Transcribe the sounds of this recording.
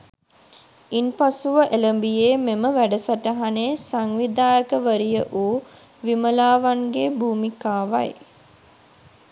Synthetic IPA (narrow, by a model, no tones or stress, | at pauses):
inpasuʋəʔeləmbijeːmeməʋæɖəsaʈəɦaneːsaŋʋid̪aːjəkəʋəɾijəʔuː | ʋiməlaːʋaŋɡebʱuːmikaːʋa̰j